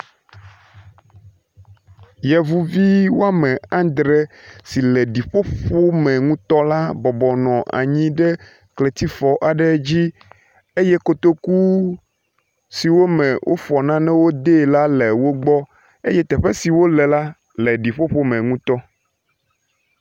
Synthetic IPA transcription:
jɛ˨vu˦vi˦wo˦a˦mɛ̃˨ã˦d̪ɾɛ˨si˨lɛ˨ɖi˨ɸo˦ɸo˦mɛ̃˨ŋũ˦t̪ɔ˦la˦bɔ˨bɔ˨nɔ̃˨ʔa̰˨ɲĩ˦ɖɛ˦ | kle˨t̪i˦fɔ˨ʔa˨ɖɛ˦d͡ʑi˦ | e˦jɛ˦ko˨t̪o˦ku˦ | si˨wo˦mɛ̃˨wʔo̰˦fɔ˨nã˦nɛ̃˦wo˦d̪e˦˨la˦lɛ˨wo˦ɡ͡bɔ˦ | e˦jɛ˦t̪ɛ˨ɸɛ˦si˨wo˦lɛ˨la˦ | lɛ˨ɖi˨ɸo˦ɸo˦mɛ̃˨ŋũ˦t̪ɔ˦

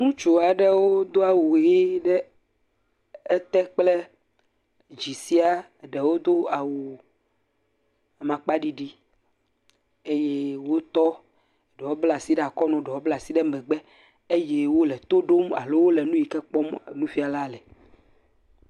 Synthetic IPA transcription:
nũ˦t͡ʃo˨a˨ɖɛ˦wo˦d̪o˦a˨wu˨ɣi˦ɖɛ˦ | ɛ˦t̪ɛ˦k͡plɛ˦ | d͡ʒi˨si˦a˨ | ɖɛ˨wo˦d̪o˦a˨wu˨ | a˨mã˨k͡pa˦ɖi˦ɖi˦ | e˦je˦wo˦t̪ɔ˦˨ | ɖɛ˨wɔ˦bla˨si˦ɖa˨kɔ˦nɔ̃˨ɖɛ˨wɔ˦bla˨si˦ɖɛ˦mɛ̃˨ɡ͡bɛ˦ | e˦je˦wo˦lɛ˨t̪o˦ɖo˦ma̰˨lo˦wo˦lɛ˨nũ˦ji˨kɛ˦k͡pɔ˦m˨nũ˦fi˦a˨la˦˨lɛ˨

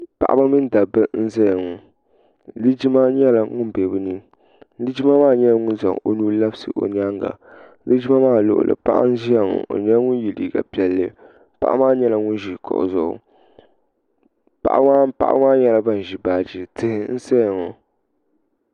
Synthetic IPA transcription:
pa̰˨ʔa̰˦ba˦mɨ˦n˦da˨bɨ˦n̩˦zɛ˦ja˨ŋɔ˨ | lɨ˦d͡ʒi˦ma˦ɲɛ˦la˨ŋʊ˦n˨bɛ˨bɨ˦nɨ˦ | lɨ˦d͡ʒi˦ma˦maː˦ɲɛ˦lŋʊ˦n˦za̰˨ŋo˦nu˦la˦bsɨ̰˨ʔo̰˨ɲ˦a˦ŋɡa̰˨ | lɨ˦d͡ʒi˦ma˦maː˦˨lʊ̰˨ʔʊ̰˦˨lɨ̰˨pa̰˦ʔa̰˦n̩˦ʒi˦ja˦˨ŋɔ̰˨ʔo̰˨ɲɛ˦ŋʊ˦n˦˨ji˨liː˨ɡa̰˨pi˨ɛ˨lːɨ˦ | pa̰˦ʔa̰˦maː˦ɲɛ˦la˨ŋʊ˦n˦ʒi˨kʰɔ̰˨ʔʊ̰˨zʊ˨ʊ̰˨ | pa̰˨ʔa̰˦ŋaː˦pa̰˦ʔa̰˦ŋaː˦ɲɛ˦la˨˦ba˦˨n˨ʒi˨baː˨d͡ʒi˦tɨ˨hɪ˨n̩˦sɛ˦jŋɔ˨

